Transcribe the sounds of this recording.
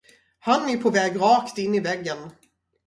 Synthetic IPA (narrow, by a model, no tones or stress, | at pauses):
hanɛpʰɔvɛːɡɾɑːkt̪ɪnːɪvɛɡːən